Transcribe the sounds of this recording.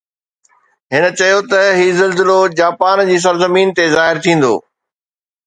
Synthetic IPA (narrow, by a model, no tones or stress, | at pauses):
ɦɪnə̆t͡ɕɐjot̪ɐɦiːzɐlzɪlod͡ʑaːpaːnd͡ʑiːs̬ɐɾzɐmiːnt̪ezaːɦɪɾt̪ʰĩːn̆d̪o̰ː